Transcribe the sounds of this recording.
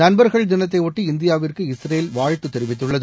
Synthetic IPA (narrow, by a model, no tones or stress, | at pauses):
nɐnbɐɾɣɐɭd̪ɪnɐt̪ːɐɪoːiɪnd̪ɪjaːʋɪrkɯɪsɾeːlʋaːɻt̪ːɯt̪ːɛɾɪʋɪt̪ːɯɭːɐðɯ